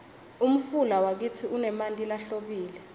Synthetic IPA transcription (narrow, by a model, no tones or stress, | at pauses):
um̩fulawak̬it͡sʰiunɛmantʼilaɬoɓiːlɛ